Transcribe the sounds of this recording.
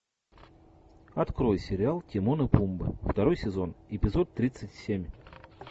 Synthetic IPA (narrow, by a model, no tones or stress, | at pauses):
ɐt̪kɾo̞jsʲɪɾʲɪalˠtʲɪmonɨpumbɨ̰ft̪ɐɾo̞jsʲɪzo̞nɪpʲɪzo̞t̪ːɾʲit̪sɨtʲsʲemʲ